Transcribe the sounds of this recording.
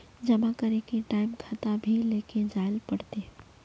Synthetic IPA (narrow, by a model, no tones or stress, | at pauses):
d͡ʒəmakəɾekeʈaːɪmkʰat̪abʱileːked͡ʒaːɪlpəɽt̪e